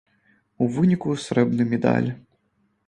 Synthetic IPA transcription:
uvɨnʲikusɾɛbnɨmʲɛd̪a̰lʲ

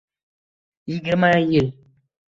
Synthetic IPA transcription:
jiɡiɾmaajil

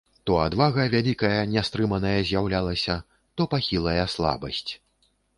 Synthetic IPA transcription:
t̪ɔad̪vaɣɐvʲalʲikɐjɐnʲɛst̪ɾɨmɐnɐjɐzʲjawlʲalˠɐsʲɐ | t̪ɔpaxʲilˠɐjɐslˠa̰bɐsʲt͡sʲ

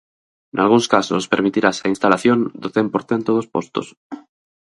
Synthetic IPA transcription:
nalɣ̞unskaso̰speɾmit̪iɾasainst̪alaθjõnd̪oθempoɾθent̪oð̞ospost̪o̰s

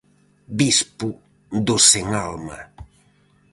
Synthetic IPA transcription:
bispu | d̪oseŋalma̰

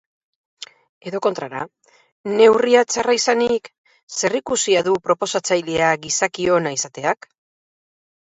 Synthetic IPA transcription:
e̞ðo̞ko̞nt̪ɾaɾa̰ | ne̞wriat͡saraisanik | se̞rikusiaðupɾo̞po̞sat͡sajleaɣisakio̞naisat̪e̞ak

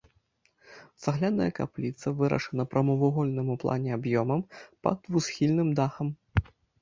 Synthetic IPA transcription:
z̥aɣlʲanɐ̰jɐka̰plʲit̪sɐvɨɾɐ̰ʂɐnɐpɾɐmɔvuɣɔlʲnɨmuplˠʔa̰nʲɛabjɔmɐmpɐ̰d̪vusxʲilʲnɨmd̪axɐm

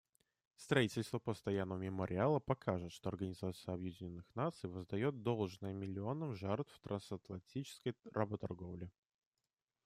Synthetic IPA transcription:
st̪ɾɐitʲɪlʲst̪vəpəst̪ɐjanːəvəmʲɪməɾʲʔɪalˠəpɐkʰaʐɨt̪ʂt̪oɐrɡənʲɪzat̪sɨjəɐbjɪdʲɪnʲonːɨxnat̪sɨjvəzd̪ɐjo̞t̪̚d̪o̞lˠʐnəjəmʲɪlʲɪo̞nəmʐart̪ft̪ɾɐnsɐt̪lˠɐnʲtʲit͡ɕɪ̥skəjɾabət̪ɐrɡo̞vlʲɪ

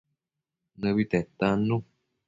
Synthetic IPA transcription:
nəβit̪ɛt̪anũ

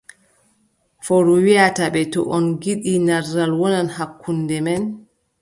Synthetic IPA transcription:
foɾuwiataɓɛtɔ̰ʔɔnɡiɗinarːalwɔnanhakːundɛmɛn

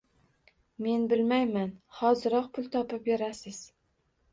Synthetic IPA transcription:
me̞nbɪlmajmanhɒzɨɾɒq̚pʰʊlˠt̪ʰɒpɪp̚beɾasɪz̥

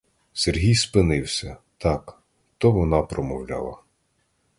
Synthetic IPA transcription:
serɦʲijspɪnɪwsʲɐt̪ɑk | t̪ɔʋɔnɑpɾɔmɔwlʲɑ̰lˠɐ̰

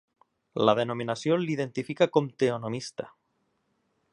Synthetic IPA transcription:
lað̞enominasjonlið̞ent̪ifikakomt̪eonomist̪a

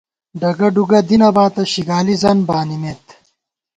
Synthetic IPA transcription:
ɖɐɡɐɖuɡɐd̪inɐbaːt̪ɐɕiɡaːlizɐnbaːnimet̪

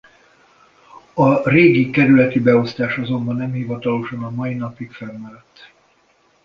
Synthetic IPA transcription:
ɒreːɡikɛɾylɛt̪ibɛo̞st̪aːʃɒzo̞mbɒnːɛmhivɒt̪ɒlo̞ʃɒnɒmɒinɒpikfɛlmɛɾɛt̪ː

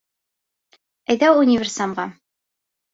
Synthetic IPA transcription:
æjðæwunʲɪvʲɪrsɑmʁɑ

